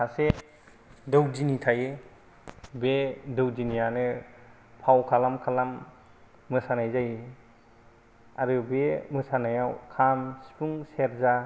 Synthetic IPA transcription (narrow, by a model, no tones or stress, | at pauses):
ase | dowzinitʰaje | bedɯwzinijanɯ | pʰawkʰalamkʰalamː | ɯsanajzaj | aɾɯbemɯsanajawkʰamsi̥pʰuŋseɾza